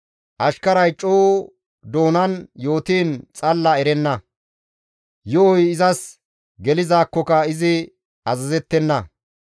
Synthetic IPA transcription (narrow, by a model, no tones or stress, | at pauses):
ʔɐʃkɐɾɐjt͡ʃʼːoː | d̪o̞ːnɐnjo̞ːt̪iːnt͡sʼɐlːɐɛɾɛnːɐ | jɔɔjɪzɐs | ɡɛlɪzaːkːɔkɐɪzɪ | ɐzɐzɛt̪ːɛnːɐ